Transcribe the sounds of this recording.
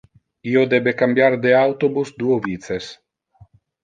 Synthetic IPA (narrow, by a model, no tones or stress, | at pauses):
iod̪ebekambjaɾd̪eawt̪obusd̪uovit̪ses